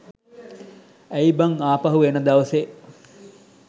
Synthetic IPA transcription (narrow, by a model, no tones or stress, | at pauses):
æibaŋaːpɐɦuʋenəd̪aʋəse